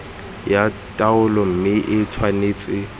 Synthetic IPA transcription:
jatʼaʊlɔm̩mɪʔɪtʰwaneːt͡sʼɪ

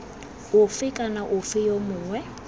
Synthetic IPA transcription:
ʊfɪkʼanaʔʊfɪjomʊːŋwɛ

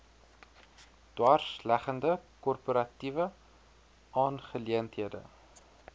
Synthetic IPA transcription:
d̥wɑːrslæχəndəkɔrpoɾɐtivə | ʔɑːnχəliəntɦiədə̰

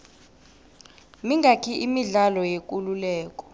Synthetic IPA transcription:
miŋɡʱakʰiʔimiɮalɔjekʼululɛːk̬ʼɔ̥

